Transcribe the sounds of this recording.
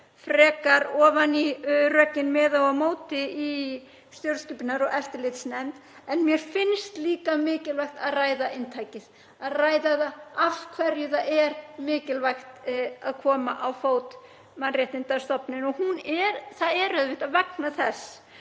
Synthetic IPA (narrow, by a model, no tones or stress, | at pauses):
fɾɛːkaɾɔːvanirœːcɪnmɛːðawamoːwt̪ɪi | st̪jowɾskʏpɪnaɾɔɣɛft̪ɪlɪt̪snɛm | ɛnmjɛɾ̥fɪnst̪liːkamɪːcɪlvajxt̪aðraːjðaʔɪnt̪ʰajcɪð | aðraːjðaðaafkʰvɛɾjʏθaɛɾmɪːcɪlvajxt̪aðkʰɔːmaʔawfoːwt̪ | manrjɛht̪ɪnt̪aɾ̥st̪ɔpnɪnɔhunɛɾθaðɛɾœðvɪðaðvɛknaθɛsː